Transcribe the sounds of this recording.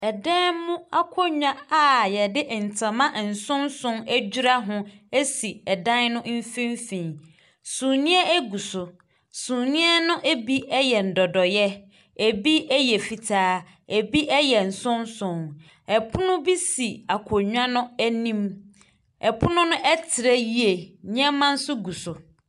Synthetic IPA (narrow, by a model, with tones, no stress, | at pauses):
ɛ˨dɛ̃˦mmʊ̃˦a˦kʰɔ˦ɲᶣã˦a˨jɛ˨dɪ˦ʔn̩˨tʰã˨mã˦ʔn̩˨sʊ̃˦nsʊ̃˦ŋæ˦d͡ʑu˦ɾa˦ɦʊ̃˦e˦si˨ɛ˨dã˦nnʊ̃˦m̩˦fĩ˦m˦fĩ˨ | sũ˨nĩ˦ɛ˦e˦ɡu˨sʊ˨ | sũ˨nĩ˦ɛ˦nʊ̃˦ʔe˦bi˦ɛ˦jɛ˨n̩˨dɔ˨dɔ˨jɛ˦ | e˨bi˦ɛ˦jɛ˨fi˨tʰaː˦ | e˨bi˦ʔɛ˦jɛ˨n̩˨sʊ̃˦nsʊ̃˨ŋ | ɛ˨pʰʊ˦nʊ̃˦bi˦si˨a˨kʰo˨ɲᶣ˦ã˦nʊ̃˦æ˦nĩ˦m | ɛ˨pʰʊ˦nʊ̃˦nʊ̃˦ʔɛ˦tʰɪ˨ɾɛ˦ji˦e˨ɲ˦ɛ̃˦mːã˦n̩˦sʊ˦ɡu˨sʊ˨